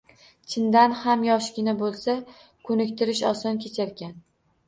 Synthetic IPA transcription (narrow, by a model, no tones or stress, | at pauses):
t͡ʃʰɪnd̪anhamjɒʃɡʲɪnabolˠsa | kʰɵnɪkʲt̪ʰɪɾɪʃɒ̰sɒnkʲʰe̞t͡ʃʰaɾɡʲan